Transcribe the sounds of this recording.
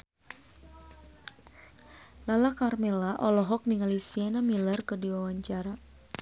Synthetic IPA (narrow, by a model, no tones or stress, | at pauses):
lalakarmɛlaʔɔlɔɦɔk̚niŋalisianamilərkərdiwawaɲt͡ʃaɾa